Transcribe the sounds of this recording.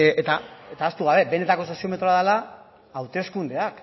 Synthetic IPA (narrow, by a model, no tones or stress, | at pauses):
et̪aet̪aːst̪uɣ̞aβe̞be̞ne̞t̪ako̞s̬o̞sio̞me̞t̪ɾo̞aðala | awt̪e̞skund̪e̞ak